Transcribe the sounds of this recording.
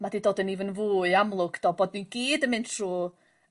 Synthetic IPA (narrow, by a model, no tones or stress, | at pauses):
madiːdoːdənivənvuːɨamlˠʊɡ̥d̥ɔbod̚ninɡ̥iːdəmɨntʰruː